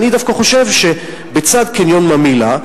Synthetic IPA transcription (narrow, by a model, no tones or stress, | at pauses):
nid̪afkaχo̞ʃe̞vʃe | bet͡sad̪kinjonmamila